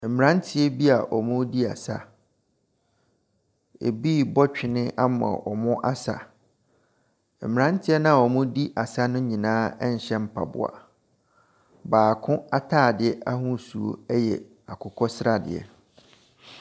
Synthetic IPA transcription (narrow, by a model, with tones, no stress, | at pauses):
m̩˨mɪ̃˨ã˦n˦tʰɪ˦ɛ˦bi˦a˨ʔɔ˨mʊ̃˦di˦a̰˨sa˦ | ḛ˨biː˦˨bɔ˦t͡ɕᶣɪ˨nɪ̃˦ʔa˦mã̰˨ʔɔ˨mʊ̃˦ʔa˦sa̰˨ | m̩˨mɪ̃˨ã˦n˦tʰɪ˦ɛ˦nã˦a˨ɔ˨mʊ̃˦di˦ʔa˨sa˦nʊ̃˦ɲĩ˨nãː˦ɛ˦ɲ̩˨ɕɛ̃˦m̩˦pʰa̰˨bʊ̰˨a̰˨ | baː˨kʰʊ̃˦a˦tʰaː˦˨dɪ˨ɛ˦ʔa˦hʊ̃˦˨su˨o̰˦ɛ˦jɛ̰˨ | a˨kʰʊ˨kʰɔ˦sɾa˦dɪ̰˨ɛ̰˨